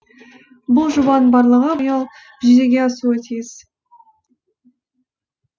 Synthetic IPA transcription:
bʊlˠʒʊbɑnbɑɾlˠəʁəbəjɑlˠ | bɪʒd̪eɡʲeɑsuat̪ʰijz̥

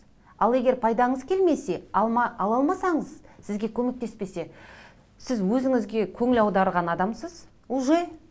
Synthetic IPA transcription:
ɑlˠe̞ɡʲe̞ɾpʰɑjd̪ɑɴəzkʲʰe̞lme̞se̞mɑɑlˠɑlˠmɑsɑɴəzsɪzɡʲe̞kʲʰɵme̞k̚t̪e̞spe̞se̞ | sɪzwɵzɪŋɪzɡʲe̞kʲʰɵŋɪlɑwd̪ɑɾʁɑnɑd̪ɑmsəz | uʒe

